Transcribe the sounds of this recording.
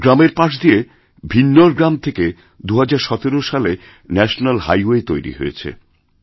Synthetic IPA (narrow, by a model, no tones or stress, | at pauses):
ɡɾameɾpaʃ̬d̪ie | bʱinːoɾɡɾamt̪ʰeke | d̪uɦad͡ʑaɾʃɔt̪eɾoʃale | nɛʃonalɦa̰jwet̪ojɾḭɦo̰ḛt͡ɕʰḛ